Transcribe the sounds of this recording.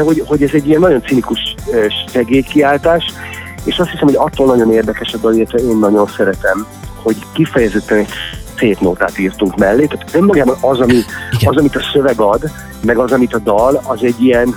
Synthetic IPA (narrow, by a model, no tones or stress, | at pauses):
d̪ɛɦo̞ɟho̞ɟɛzɛɟːijɛnːɒɟo̞nt̪sinikuʃøʃʃɛɡeːjkiaːlt̪aːʃ | ḛːʃɒst̪hisɛmhoɒt̪ːoːlnɒɟo̞neːrd̪ɛkɛʃɒd̪ɒlilːɛt̪ʋɛeːnːɒɟo̞nsɛɾɛt̪ɛm | ho̞ɟkifɛjɛzɛt̪ːɛnɛseːt̪noːt̪a̰ːt̪iːrt̪uŋkmɛlːeːt̪aːt̪ø̞mːɒɡaːbɒnɒzɒmiɒzɒmit̪ɒsø̞vɛɡɒd̪ | mɛɡɒzɒmit̪ɒd̪ɒlɒzɛɟːijɛn